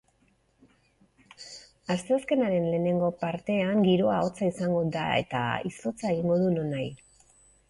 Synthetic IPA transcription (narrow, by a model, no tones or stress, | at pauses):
ast̪e̞aske̞naɾe̞nle̞ːne̞ŋɡo̞paɾt̪e̞aŋɡiɾo̞ao̞t͡saisaŋɡo̞d̪a̰e̞̰t̪a̰iso̞t͡sae̞ɣ̞iŋɡo̞ðuno̞naj